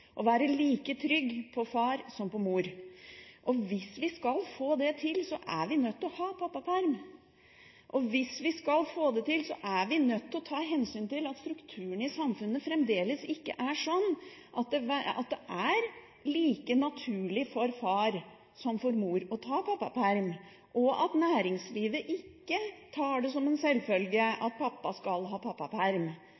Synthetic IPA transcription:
ʔɔʋæːɾəliːkət̪ʰɾʏɡːpʰɔfɑːɾsɔmpɔmuːɾ | ʔɔʋɪsʋɪskɑlfoːd̪ɛt̪ʰɪlsɔʔæ̰ɾʋɪnœt̪ːɔhɑːpʰɑpːɑpʰæɾm | ʔɔʋɪsʋɪskɑlfoːd̪ɛt̪ɪlsɔ̰ʔæɾʋɪnœt̪ːɔt̪ʰɑːɦɛnsyːnt̪ɪlɑt̪st̪ɾʉkt̪ʰʉːəɳɪsɑmfʉnːəfɾɛmd̪eːləsɪkːə̰ʔæʂɔnːʔɑt̪̚d̪ɛʋæɑ̰t̪̚d̪ɛʔæɾ | liːkənɑt̪ʰʉːɭɪfɔɾfɑːɾ | sɔmfɔɾmuːɾɔt̪ʰɑːpʰɑpːɑpʰæɾm | ʔɔɑt̪næːɾɪŋsliːʋəʔɪkːət̪ʰɑːɖɛsɔmɛnsɛlːfœlɡəʔɑt̪̚pʰɑpːɑskɑlɦɑːpʰɑpːɑpʰæɾm

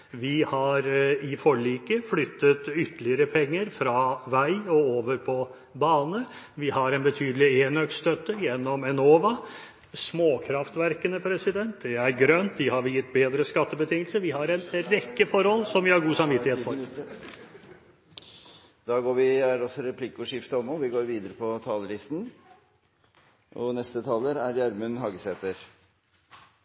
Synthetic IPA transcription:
ʋɪhɑɾɪfɔɭiːkəflʏt̪ːət̪ʏt̪ːəlɪəɾəpʰɛŋːəɾfɾɑʋæɪɔoːʋəɾpʰɔ | bɑːnə | ʋɪhɑɾɛnbət̪ʰyːd̪əlɪeːnœkst̪œt̪ːəjɛnːɔmɛnoːʋɑ | smoːkʰɾɑft̪ʋæɾkənəpʰɾɛsɪd̪ɛnt̪̚d̪ɛæɾɡɾœnt̪̚d̪ɪhɑɾʋɪjɪt̪ːbeːd̪ɾəskɑt̪ːəbət̪ʰɪŋːəlsəʋɪhɑɾɛnɾɛkːəfɔɾhɔlːsɔmʋɪhɑɾɡuːsɑmʋɪt̪ːɪheːfɔɾ | d̪̥ɑːɡoːɾʋɪæɖɔsɔɾɛpʰlɪkːʊʂɪft̪əɔmːɔʋɪɡoːɾʋiːd̪əɾəpʰɔt̪ʰɑːləlɪst̪n | ʔɔnɛst̪ət̪ʰɑːləɾæɾjæɾmʉnɦɑːɡsɛːt̪əɾ

